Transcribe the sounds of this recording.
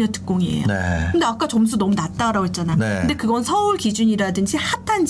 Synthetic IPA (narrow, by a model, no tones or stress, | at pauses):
ʌtɯ̥k͈oŋiḛjo̰ḛɯnde̞ak͈at͡ɕoms̬ʰunʌmunat̚t͈aɾaɡoɦet̚t͡ɕ͈anajonkɯnde̞kɯɡʌnsʰʌuɭkid͡ʑuɲiɾadɯnd͡ʑʰihatʰand͡ʑ